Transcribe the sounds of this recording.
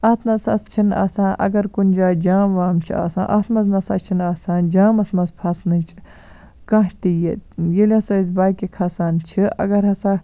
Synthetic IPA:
ɐːt̪ʰnɐsɐ̰st͡ʃʰina̰ːsãːnʔɐ̰ɡɐɾkunʲd͡ʒaːd͡ʒaːʋaːmt͡ʃʰia̰ːsã̰ːʔɐt̪ʰmɐznɐsɐ̰t͡ʃʰinaːsãːnd͡ʒãːmɐsmɐzpʰɐsnɨt͡ʃʰi̥ | kɐ̃ɦt̪ijet̪jelʲɐsaiz̬baːjkikʰɐsaːnt͡ʃʰiʔɐ̰ɡɐɾɦɐsaː

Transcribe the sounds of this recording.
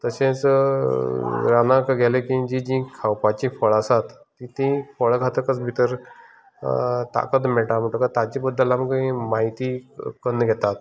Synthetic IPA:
t̪əsẽt͡s | ɾanãkɡʱɛlekĩd͡ʑĩd͡ʑĩkʰawpat͡ɕĩfəɭasat̪ːĩt̪ĩfəɭkʰat̪əkət͡sbʱit̪əɾ | t̪a̰kət̪mɛʈam̤əʈəkat̪at͡ɕibəd̪ʱːəlaməkĩmaɦit̪ikənːɡʱɛt̪at̪

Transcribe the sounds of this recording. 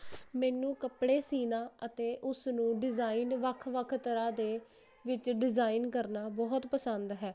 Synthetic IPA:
mɛːnũːkəpɽeːsiːnaːət̪eːʔʊsnũːɖɪzaːiːnʋəkʰʋəkʰt̪əɾaːd̪eː | ʋɪt͡ʃɖɪzaːiːnkəɾnaːbɔːt̪pəsənd̪ɦɛː

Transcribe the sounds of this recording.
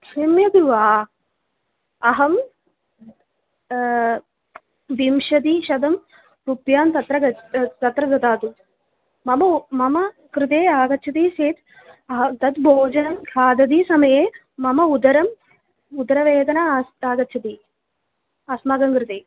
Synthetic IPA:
kʂimjɐɡɾuʋaː | ɐɦɐm | d̪imʃɐd̪iʃɐd̪ɐm | ɾupjaːmt̪ɐt̪ɾɐɡɐt̪ɐt̪ɾɐd͡ʒɐt̪aːt̪u | mɐmɐmɐmɐ | kɾɪt̪eːaːɡɐt̪ːt͡ʃʰɐt̪iːseːt̪ | ɐɦɐt̪ɐt̪bʱoːd͡ʒɐnɐmkʰaːd̪ɐd̪iːsɐmɐjeː | mɐmɐud̪ɐɾɐm | ud̪ɐɾɐʋeːd̪ɐnaaːɡɐt̪ːʃʰɐt̪iː | aːsmaːɡɐmkɾɪt̪eː

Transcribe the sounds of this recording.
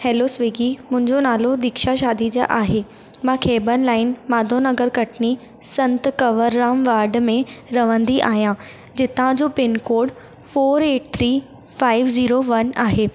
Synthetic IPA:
hɛːlosʋeːɡimʊ̃ɦɪ̃ɲd͡ʑonaːlod̪ɪkʃaʃaːd̪id͡ʑa̰ʔaːɦe | mãːkʰeːbənlaːɪnmaːd̪ʱonɐɡəɾkɐʈʰni | sɐ̃nt̪kɐʋəɾːaːmʋaːɾɖmẽɾɐʋə̃nd̪iʔa̰ːɦijã | d͡ʑɪt̪ãd͡ʑoːpɪnkoːɽ | foːɾeːʈt̪ʰɾiː | faːɪʋziːɾoʋɐnaːɦeː

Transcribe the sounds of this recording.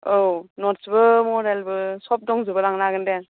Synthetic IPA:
ownɔtsbɯmɔɾelbɯsɔp̚dɔŋzɯbɯɾaŋnaɡɯnden

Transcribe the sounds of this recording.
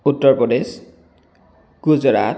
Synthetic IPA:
utːɔɹpɹɔdes | ɡ̥uzɔɹat

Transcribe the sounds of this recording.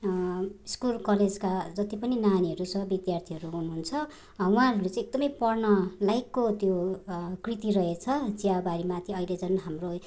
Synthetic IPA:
skulkʌled͡zkad͡zʌt̪ipʌninaniʌɾusʌbid̪jart̪ʰiɦʌɾuɦunuɦunt͡sʰʌ | wũɦãɾuɾet͡sãĩek̚d̪ʌmʌjpʌrnʌlajkːot̪jokrit̪irʌɦet͡sʰʌd͡ziabaɾimat̪ʰiʌjled͡zʌnɦamro

